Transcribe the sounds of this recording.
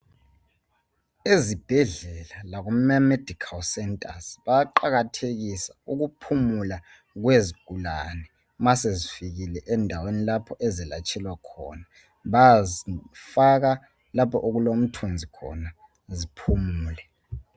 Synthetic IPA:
ezib̥ʱɛɮɛlalaɣummamed̥ʱikʰalsɛntʼasβajaǃaɣatʰeɣisauɣupʰumula | ɣweziɡ̥ʱulanɛ | masezifiɣilɛʔɛndʱawenilapʰɔʔɛzilat͡ʃʼɛlwakʰɔ̰ːna | βazifaɣa | lapʰɔʔoɣulom̩tʰund͡zʱikʰɔ̰na | zipʰumuːlɛ

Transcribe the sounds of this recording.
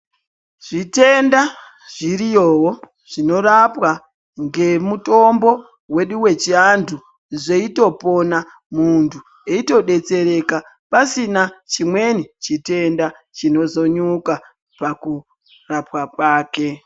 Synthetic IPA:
ʐ̥ite̞nda | ʐ̥irijoːwo | ʐ̥ino̞rapwa | ŋɡe̞muto̞mbo̞ | we̞ɗuwe̞t͡ʃiandʰu | ʐe̞ito̞po̞na | muntʰu | eito̞ɗe̞t͡se̞ɾe̞ka | pasinat͡ʃimwe̞nit͡ʃite̞nda | t͡ʃino̞zo̞ɲuka | paku | rapwakwaːke̞

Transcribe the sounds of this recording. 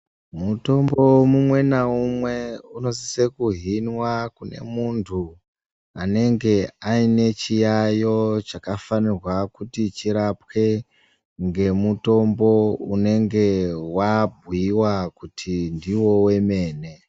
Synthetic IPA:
muto̞mbo̞mumwe̞naumwe̞uno̞sisekuɦinwakune̞̰muntʰu | ane̞ŋɡe̞aine̞t͡ʃijajo̞t͡ʃakafanirwakutit͡ʃiɾapwe̞ | ŋɡe̞muto̞mbo̞une̞ŋɡe̞wab̚ʱuiwakutʰindiwo̞we̞me̞ːne̞

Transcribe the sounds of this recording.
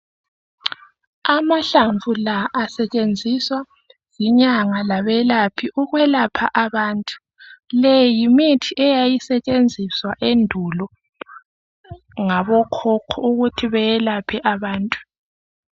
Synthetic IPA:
amaɬaɱvʱulaʔːsɛt͡ʃʼend͡zʱiswa | ziɲaŋalaβɛlapʰiʔuɣwɛlapʰaʔaβaːntʼu̥ | lejjimitʰiʔɛjajisɛt͡ʃʼend͡zʱiswaʔendʱulɔ | ŋaβɔkʰɔkʰɔuɣutʰiβɛjɛlapʰɛʔaβaːntʼu̥

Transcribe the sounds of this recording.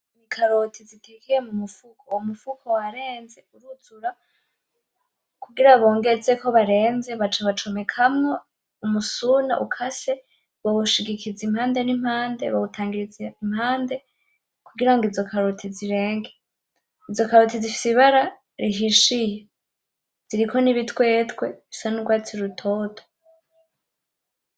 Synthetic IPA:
mikʰaɾo̞tʰizitʰekijemumufukʰoumufukʰo̞waɾe̞ːnze̞uɾuzuɾa | kuɡiɾaβo̞ːŋɡet͡seko̞βaɾe̞ːnze̞βat͡ʃaβat͡ʃo̞mekʰamŋe | umusuna̰ʔukʰase̞ | βaβuʃiɡikʰizimhaːnde̞nim̥haːnde̞̰βaβutʰaːŋɡiɾizeimhaːnde̞ | kuɡiɾaŋɡizo̞kʰaɾotʰiziɾe̞ːŋɡe | izo̞kaɾotizifi̥siβaɾa | ɾiɦiʃije | z̥iɾiko̞niβitwe̞ːtwe̞βisanuɡwaːt͡siɾutʰo̞ːtʰo̥

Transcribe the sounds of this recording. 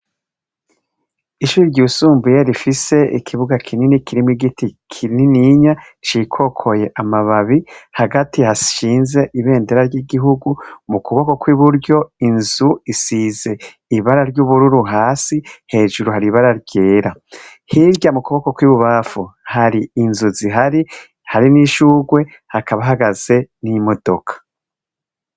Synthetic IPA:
iʃuːɾiɾɟuːsuːmbujeɾifise̞ḭkʰiβuɡakʰininikiɾimwiɡitikʰininiɲa | t͡ʃikʰo̞kʰo̞je̞ʔamaβaβihaɡatihasʃiːnze̞ʔiβe̞ːndeɾaɾɟiɡiɦuɡumukuβoko̞kwiβuɾɟo̞inzuisize̞ | iβaɾaɾɟuːβuɾuɾuɦaːsihe̞ːʒuɾuhaɾiβaɾaɾɟe̞ːɾa | hiɾɟamukuβokokwiːβuβafuhaɾiːnzuziɦaɾi | haɾiniʃuːɡwe̞ | hakaβaɦaɡaz̥e̞nimo̞d̥o̞kʰḁ

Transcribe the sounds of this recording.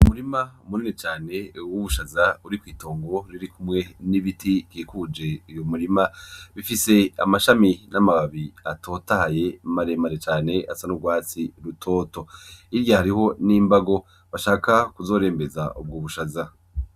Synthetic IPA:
umuɾimaumuninet͡ʃaːne̞wuβuʃazauɾikwiːto̞ːŋɡo̞ɾiɾikumŋe̞niβitikiːkud͡ʒe̞ijo̞muɾimaβifise̞amaʃaminamaβaβiatʰo̞ːtahaje̞maɾeːmaɾet͡ʃaːne̞ʔasanuɡwaːt͡siɾutʰo̞ːto̞iɾjahaɾiho̞niːmbaɡo̞ | βaʃaːkakuzo̞ːɾe̞ːmbe̞zaʔub̚ɡoːβuʃaza

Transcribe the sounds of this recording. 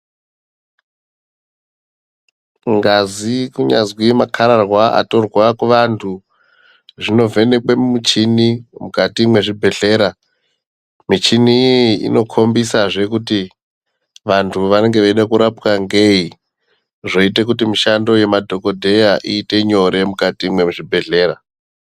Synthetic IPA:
ŋɡazikuɲa̰zwimakʰaɾarwaa̰to̞rwakuʋantʰu | ʐino̞vʱe̞ne̞kwemut͡ʃinimukatimwe̞ʐibʱe̞ɬe̞ːɾa | mit͡ʃiniḭno̞kʰo̞mbisaʐe̞kuti | ʋantʰuʋane̞ŋɡeʋaiɗakuɾapkaŋɡe̞i | ʐo̞ite̞k̬utimiʃando̞je̞madʱo̞ko̞dʱe̞jaʔiːte̞ɲo̞ɾe̞mukatimwe̞ʐibʱe̞ɮe̞ːɾa

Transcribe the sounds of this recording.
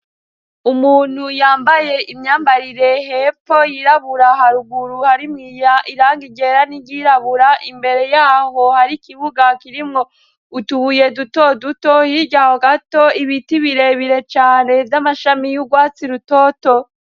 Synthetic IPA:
umuːn̥hujaːmbaje̞ʔimɲaːmbaɾiɾe̞ɦepojiɾaβuɾaɦaɾuɡuɾuhaɾimŋiːjaʔiɾaːŋɡiɡe̞ɾaniɟiɾaβuɾaʔimbe̞ɾe̞jaːho̞haɾikiβuɡakiɾimŋo̞ | utuhuje̞dutodutohiɟahoɡato̞iβitiβiɾe̞βiɾe̞t͡ʃaːne̞vjamaʃamijuɡwaːt͡siɾuto̞ːto̞

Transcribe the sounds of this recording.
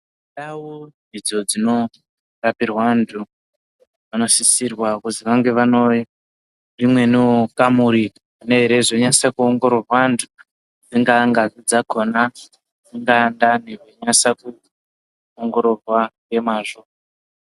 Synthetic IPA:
ɗawonid͡zod͡zino̞ | rapirwantʰu | ʋano̞sisirwakuziʋaŋɡe̞ʋanoji | rimwe̞nokamuɾi | neɦeɾe̞ʐo̞ɲasakuoŋɡo̞ɾorwantʰu̥ | d͡ziŋɡaŋɡaid͡zakʰona | d͡ziŋɡaːndaneʐoɲasaku | oŋɡo̞ɾo̞rwaŋɡe̞maːʐo

